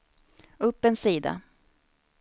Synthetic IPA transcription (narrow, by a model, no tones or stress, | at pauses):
ɵpːɛnsiːd̪a̰